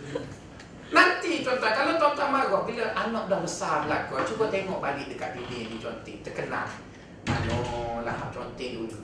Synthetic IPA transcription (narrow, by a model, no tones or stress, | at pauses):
nant̪it͡ʃɔnt̪akalot̪ɔt̪amaɡɔbiləʔanɔʔ̚dɔhbəsabəlakɔt͡ʃubət̪eŋɔʔ̚balɪʔ̚dəkat̪̚bibidit͡ʃɔnt̪it̪əkəna̰l | kalɔla̰ɦaʔ̚t͡ʃɔnt̪idu